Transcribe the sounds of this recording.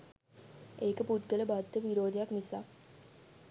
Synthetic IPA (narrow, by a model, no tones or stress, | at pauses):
eːkəput̪ɡələbad̪ːəʋiɾoːd̪ejaknisaː